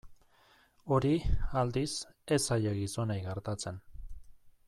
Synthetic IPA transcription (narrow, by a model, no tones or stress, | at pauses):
o̞ɾiald̪ise̞saʎeɣiso̞najɣeɾt̪at͡se̞n